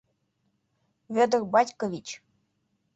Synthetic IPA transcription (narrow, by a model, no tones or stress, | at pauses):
vʲød̪ərbɑtʲkovʲit͡ɕ